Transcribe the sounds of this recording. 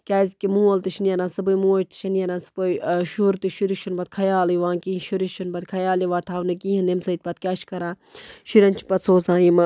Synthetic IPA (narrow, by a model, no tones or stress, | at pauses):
kʲaːizkimũːɐlt̪iʃnijɐɾãːsɐbujmuːɐʃt̪i̥ʃʰɐnijɐɾãnsɨ̥pojʃuɾt̪iʃiɾiʃunbɐt̪̚kʰɐjaːliʋãːnkĩːʃuɾiʃunbɐt̪kʰɐjaːliʋaːt̪ʰaːwnɐkiɦind̪emsɐt̪̚ʲpɐt̪kʲaːʃkɐɾãː | ʃiɾɐnt͡ʃʰi̥pɐt̪soːzãːimɐ